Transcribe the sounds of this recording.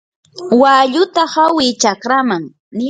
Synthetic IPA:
waːʎʊt̪ahawɪt͡ʃakɾamaŋ | n

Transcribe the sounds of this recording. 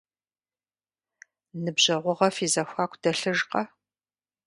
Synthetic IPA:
nɨbʑɐʁʷʊʁɐfiːzɐxʷaːkʷʰd̥ɐɬɨʒqɐ

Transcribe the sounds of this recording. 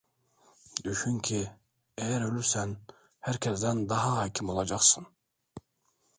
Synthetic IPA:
d̪yʃyŋcʲʰi | ɛjæɾølʲysæn | hæɾkʰʲɛsd̪ænd̪ɑɦɑɦɑcʰimolˠɑd͡ʒɑqsɯn

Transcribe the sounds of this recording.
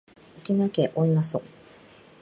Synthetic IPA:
okinakeʔõnːaso̰

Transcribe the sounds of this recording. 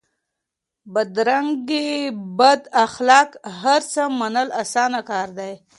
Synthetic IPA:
bad̪ɾaŋɡebad̪axlɑkɦaɾt͡səmanəlasɑnakɑɾd̪aj

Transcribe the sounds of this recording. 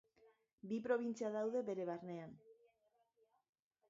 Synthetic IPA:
bipɾo̞β̞int͡siaðawðe̞βe̞ɾe̞βaɾne̞an

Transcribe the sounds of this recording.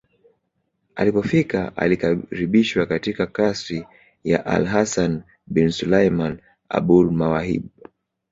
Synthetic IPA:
a̰lipɔfikaʔa̰likaɾiɓiʃwakatikakasɾi | jaʔa̰lɦasan | bɛnsulajman | a̰ɓulmawahḭɓ

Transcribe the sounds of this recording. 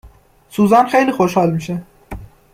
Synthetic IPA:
suːzænxejliːxoʃhɒːlmiːʃe

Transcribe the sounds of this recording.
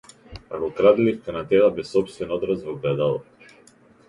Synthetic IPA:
a̰ɡɔkɾad̪lifkanat̪ɛlˠabɛsɔpst̪vɛnɔd̪ɾazvɔɡlɛd̪alˠɔ

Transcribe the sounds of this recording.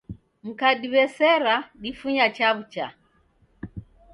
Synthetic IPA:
m̩kaɗiβɛsɛɾaɗifuɲat͡ʃaβut͡ʃa

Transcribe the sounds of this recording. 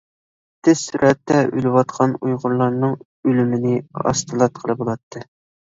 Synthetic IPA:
t̪ʰɪz̥syɾʔɛt̪ːɛʔylɪwɑt̪qʰɑnujʁʊɾlˠɑɾnɨŋ | ølymɪnɪɑ̰st̪ʰɨlˠɑt̪̚qʰəlˠɨbolˠɑt̪ʰːɨ

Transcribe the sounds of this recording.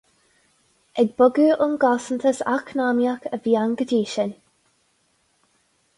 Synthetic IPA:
ɛɡ̚bʊɡuːʔʊnɡɔsənt̪ʰəsa̰knamjakəvjaŋɡədiːʃən

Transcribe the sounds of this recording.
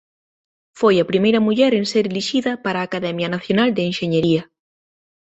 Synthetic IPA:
fojɐpɾimejɾɐmuʎɛɾenseɾeliʃiðɐpaɾaːkaðɛmjɐnaθjonald̪eːnʃeɲeɾiɐ

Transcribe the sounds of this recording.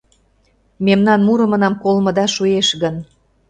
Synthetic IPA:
memnɑnmuɾɤ̆mə̆nɑmkolmɤ̆d̪ɑʃueʃɣən

